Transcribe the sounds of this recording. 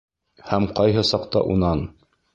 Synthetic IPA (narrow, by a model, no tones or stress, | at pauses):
hæmqɑjɦɤsɑqt̪ɑ̰ʔunɑn